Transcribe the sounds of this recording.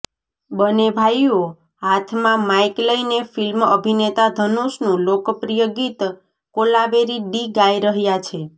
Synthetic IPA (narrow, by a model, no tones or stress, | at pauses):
bənebʱajo | ɦat̪ʰmãmajkləjnefilməbʱinet̪ad̪ʱənuʃnũlokpɾijəɡit̪ | kolabeɾiɖiɡajɾəɦjat͡ʃʰe